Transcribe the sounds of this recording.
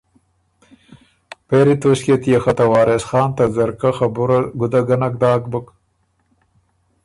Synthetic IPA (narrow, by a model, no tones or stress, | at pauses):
peɾit̪oɕket̪ijexat̪ɐwɑːɾesxɑːnt̪azɐɾkaxabuɾaɡʊd̪aɡɐnak̚d̪ɑːk̚bək